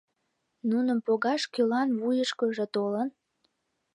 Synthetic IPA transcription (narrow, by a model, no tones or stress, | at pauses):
nunəmpoɣɑʃkølɑnvujəʃkəʒĕt̪olən